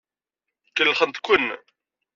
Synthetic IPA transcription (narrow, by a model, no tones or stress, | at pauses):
kːəlːχənt̪kʷən